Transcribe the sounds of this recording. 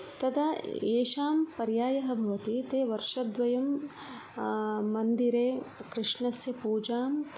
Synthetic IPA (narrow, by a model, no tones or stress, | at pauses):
t̪ɐd̪ɐeːʃaːmpɐɾjaːjɐɦɐ̆bʱɐʋɐt̪it̪eːʋɐɾʂɐd̪ʋɐjɐm | ɐnd̪iɾeːkɾɪʂɳɐsjɐpuːd͡ʒaːm